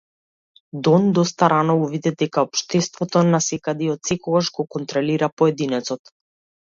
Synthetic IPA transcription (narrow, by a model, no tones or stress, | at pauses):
d̪ɔnd̪ɔst̪aɾʔanɔvuvid̪ɛd̪ɛkaɔpʃt̪ɛst̪vɔt̪ɔnasɛkad̪iɔt̪sɛkɔɡaʒɡɔkɔnt̪ɾɔliɾapɔɛd̪inɛt̪sɔt̪